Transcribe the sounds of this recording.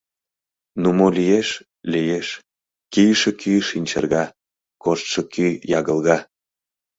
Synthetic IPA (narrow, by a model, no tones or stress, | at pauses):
numolijeʃ | lijeʃ | kijʃekyʃinʲt͡ɕə̰rɣɑ | koʃt̪ʃɤ̆kyjɑɣə̆lˠɣɑ